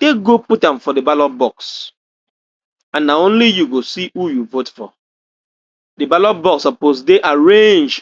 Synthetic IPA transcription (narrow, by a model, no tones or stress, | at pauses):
teɡoputãmfɔdebalɔbɔks | ãnːaõnlijuɡosiujuvotfɔ̰ | debalɔbɔksɔposdeʔaɹẽnd͡ʒ